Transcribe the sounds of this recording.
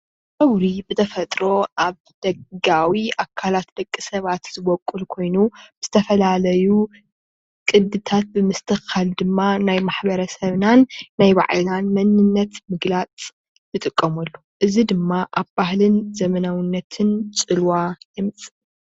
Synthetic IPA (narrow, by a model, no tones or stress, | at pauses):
ʔɐwɾibɨt̪ʰɐfɐt̪ʼɾo̞ʔaβ | d̪̥ɐɡawiʔakʰalat̪d̪ɐkʼːisɐβat̪z̥ɨβɔkʼːulkʰo̞jnubɨz̥ɨt̪ʰɐfɐlalɐju | kʼɨd̪ɨt̪ʰat̪̚bɨmɨst̪ʰɨxald̪ɨmːanajmaħbɐɾɐsɐβnanːajba̰ʕlanmɐnɨnːɐt̪mɨɡlat͡sʼ | jɨt̪ʼɨkʼːɐmɐlːuʔɨzid̪ɨmːaʔaβbaɦlɨnzɐmɐnawnːɐt̪ʰɨnt͡sʼɨlwajɨmt͡sʼɨ